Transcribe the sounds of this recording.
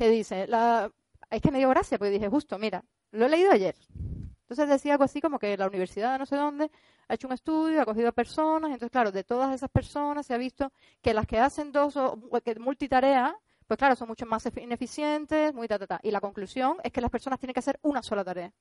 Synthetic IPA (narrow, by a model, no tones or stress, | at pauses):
ke̞ðise̞la | eske̞me̞ðioɣɾasjapoɾke̞ðihe̞xust̪o̞miɾa̰ | lo̞e̞le̞iðoaʝe̞ɾnnt̪o̞nse̞zðe̞siaalɣoasiko̞mo̞ke̞launiβ̞e̞ɾsiðaðno̞se̞ð̞õ̞nd̪e̞ | ae̞t͡ʃouŋest̪uðjoako̞xiðoape̞ɾso̞nasenoθeklaɾoðe̞t̪o̞ðase̞saspe̞ɾso̞nasːeaβ̞ist̪o̞ | ke̞laske̞ase̞nd̪o̞sokemult̪it̪aɾe̞a | pwesklaɾoso̞ŋmut͡ʃomasefne̞fisje̞nt̪e̞smuit̪at̪at̪a̰ʔilako̞ŋklusjo̞ŋe̞skelaspeɾso̞nast̪jeneŋkease̞ɾunaso̞lat̪aɾe̞a